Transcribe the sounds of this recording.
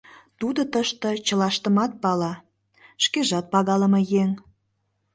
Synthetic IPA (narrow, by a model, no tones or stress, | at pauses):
t̪ud̪ot̪əʃt̪ə̆t͡ɕəlɑʃt̪əmɑt̪̚pɑlɑ | ʃkeʒɑt̪̚pɑɣɑləmɤjeŋ